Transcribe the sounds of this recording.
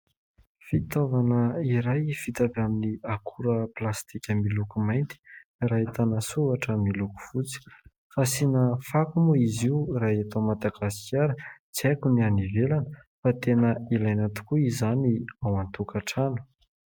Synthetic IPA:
fit̪ovanəiɾajfit̪avaminiakʰuɾəplast̪ikʲəmilukumajnt̪i̥rait̪anasuvaʈ͡ʂəmiluku̥v̥ut͡si̥ | fasinəfakumuiziuɾaat̪omad̪aɡasi̥kʲaɾət͡siakunianivelanəfat̪enəilajnat̪u̥kuizaniawant̪ukʰaʈ͡ʂanu̥

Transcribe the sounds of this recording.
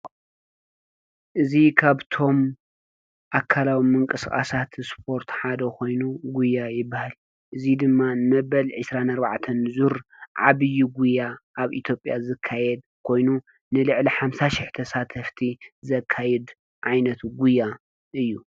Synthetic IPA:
ʔɨzikʰaβt̪ʰo̞m | ʔakʰːalawimɨŋkʼɨskʼa̰sat̪spʰo̞ɾt̪ħad̪ɐko̞jnuɡujːajɪbːahal | ʔɨzid̪ɨmːanɨmɐbɐlʕɨsɾanɐɾba̰ʕt̪ʰɐnzuɾʕaβɨjːuɡujːaʔːβʔit̪ʰjo̞pʼjazɨkʰːajɛd̪̚kʰo̞jnu | nɨlɨʕliħamsaʃɪħt̪ʰɐsat̪ʰɐft̪ʰizɐkʰːajɛd̪ | ʕajnɐt̪ʰuɡujːa | ʔɨjːu

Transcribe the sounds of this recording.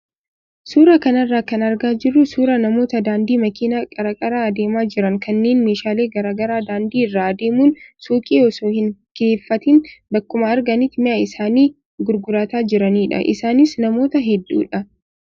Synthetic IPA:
suːɾɐkɐnɐrːaːkɐnɐɾɡaːd͡ʒɪrːʊsuːɾɐnɐmo̞ːt̪ɐd̪aːnd̪iːmɐkiːnakʼɐɾɐkʼɐɾaːɐd̪e̞ːmaːd͡ʒɪɾɐŋkɐnːe̞ːnme̞ːʃaːle̞ːɡɐɾaːɡɐɾaːd̪aːnd̪iːɪrːaːɐd̪eːmuːnsuːkʼiːɔsoːhɪŋke̞ːfːɐt̪ɪnbɐkːʊmɐːɾɡɐnit̪mɪjaːɪsaːniː | ɡʊɾɡʊɾɐt̪aːd͡ʒɪɾɐniːᶑɐ̰ʔɪ̰saːnɪsnɐmo̞ːt̪ɐɦɛd̪ːṵːᶑɐ

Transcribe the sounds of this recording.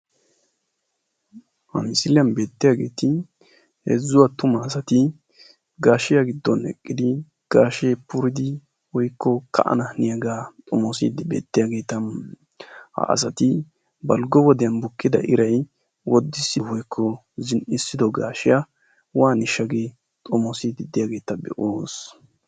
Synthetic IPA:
hɐ̰mɪsɪlɪjɐnbe̞ːt̪ːɪjaɡe̞ːt̪ɪ | hɛ̰zːʊwat̪ʊmɐːsɐt̪ɪ | ɡaːʃɪjaɡɪd̪ːɔnɛ̰kʼːɪd̪ɪ | ɡ̥aːʃejpʊɾɪd̪ɪ | wɔjkʰːɔkʰɐ̰ʔɐ̰nɐhnɪjɐɡaːt̪ʼɔmɔsḭd̪ɪbḛːt̪ːɪjaɡe̞ːt̪ɐ | ha̰ɐ̰s̬ɐt̪ɪ | bɐlɡɔwɔd̪ɛjɐnbʊkːɪd̪ɐʔɪɾɐj | wɔd̪ːɪsɪwɔjkʰːɔ | zɪnʔɪsːɪd̪ɔɡa̰ːʃɪjɐ | waːnɪʃːɐɡeː | t̪ʼɔmɔsid̪ɪd̪ɪjaɡe̞ːt̪ɐbɛ̰ʔoːs

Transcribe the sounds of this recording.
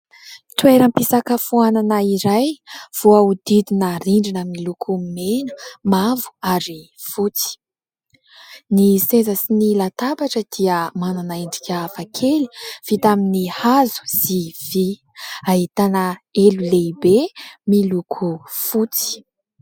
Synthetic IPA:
t̪weɾəmpisakəfuananəiɾajv̥uaud̪id̪inəɾiɳɖ͡ʐinəmilukʰumenə̥mavu̥aɾi | fut͡si̥ | nisezasinilat̪abaʈ͡ʂəd̪̥iəmananaiɳɖ͡ʐikʲaːfakʰeli̥v̥it̪aminihazu̥z̥ivi | aɦit̪anəelulejbemilukʰufut͡si̥

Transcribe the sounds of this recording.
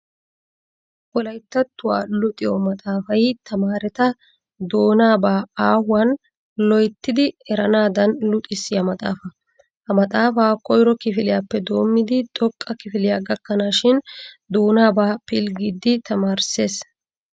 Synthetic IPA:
ʔɔlɐjt̪ːɐt̪ːʊwa̰ːlʊt̪ʼɪjɔmɐt̪ʼaːfɐjt̪ɐmaːɾɛt̪ɐ | d̪o̞ːnaːbaːaːhʊwɐn | lɔjt̪ːɪd̪ɪɛɾɐnaːd̪ɐnlʊt̪ʼɪsːɪjɐmɐt̪ʼa̰ːfɐ | hɐmɐt̪ʼaːfaːkʼɔjɾɔkɪfɪlɪjaːpːɛd̪o̞ːmːɪd̪ɪt̪ʼɔkʼːɐkɪfɪlɪjaɡɐkːɐnaːʃɪn | d̪o̞ːnaːbaːpɪlɡɪd̪ːɪt̪ɐmaːɾseːs

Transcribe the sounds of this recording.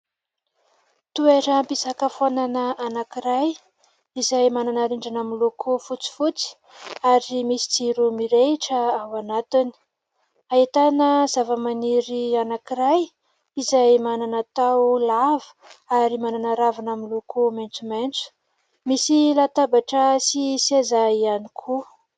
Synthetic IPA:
t̪ueɾəmpisakəfananəʔanakiɾaj | izajmananaɾiɳɖ͡ʐanamilukʰufut͡si̥fut͡si̥ | aɾimisi̥d͡ziɾumiɾeʈ͡ʂəawanat̪ini̥ | ait̪anəzavəmaniɾianakiɾaj | izajmananat̪awlavə̥ | aɾimananaɾavanamilukument͡sument͡su̥ | misilat̪abaʈ͡ʂəsisezaianikʰu

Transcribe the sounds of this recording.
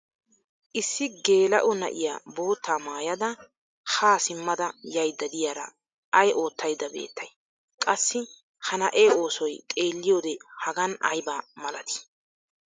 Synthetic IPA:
ʔɪsːɪɡe̞ːlɐ̰ʔʊnɐ̰ʔɪ̰jaːbo̞ːt̪ːaːmaːjɐd̪ɐ | haːsɪmːɐd̪ɐjɐjd̪ːɐd̪ɪjaɾɐ̰ | ʔɐjʔo̞ːt̪ʰːɐjd̪ːɐbḛːt̪ːɐj | kʼɐsːɪ | hɐnɐʔeːo̞ːsɔjt̪ʼe̞ːlːɪjoːd̪ɛhɐɡɐnɐ̰jbaːmɐlɐt̪ɪ̥

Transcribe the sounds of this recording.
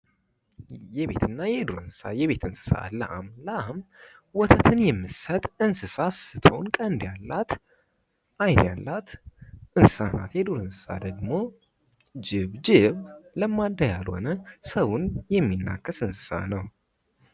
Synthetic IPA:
jɛβe̞̰t̪ʰɨnːajɛd̪uɾɨnsɨ̥sa̰jɛβe̞t̪ɨnsɨ̥sa̰lə̰ʔa̰mləʔam | wɔt̪ʰət̪ʰɨnjɛmːɨsət̪ʼɨnsɨsasɨt̪ʰonkʼənd̪jalːat̪ | ʔajnja̰lːat̪ʔɨnsɨ̥sana̰t̪jɛd̪oɾɨnsɨ̥sa̰d̪əɡmo | d͡ʒɪβd͡ʒɪβləmːad̪ajalho̞̰nəsəwunjɛmːinːa̰kʰːəsɨnsɨ̥sa̰nəw

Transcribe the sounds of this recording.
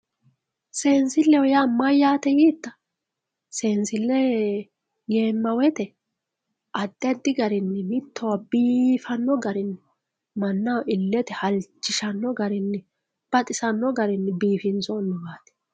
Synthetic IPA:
se̞ːnsɪlːɛwɔjamɐjːaːt̪ɛjiːt̪ːɐ | seːnsɪlːɛ | ɡe̞ːmːɐwɛt̪ɛ | ʔɐd̪ːɛd̪ɪɡɐɾɪnːɛmɪt̪ʰːɔwɐbiːfɐnːɔɡɐɾɪnːɛ | mɐnːɐwɪlːɛt̪ɛhɐlt͡ʃːɪʃɐnːɔɡɐɾɪnːɛ | b̥ɐt̪ʼɪsɐnːɔɡɐɾɪnːɛbiːfɪnzɔnːɔɡaːt̪ɛ̥

